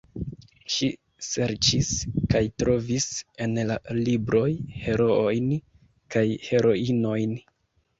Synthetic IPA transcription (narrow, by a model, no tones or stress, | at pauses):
ʃi | se̞ɾt͡ʃiskajtɾo̞vise̞nlalibɾo̞jhe̞ɾoojn | kajhe̞ɾo̞ino̞jn